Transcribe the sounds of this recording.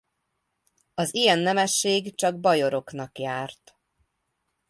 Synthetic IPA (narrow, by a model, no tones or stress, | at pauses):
ɒzijɛnːɛmɛʃːeːɡt͡ʃɒɡ̚bɒjo̞ɾo̞kn̪ɒkjaːrt̪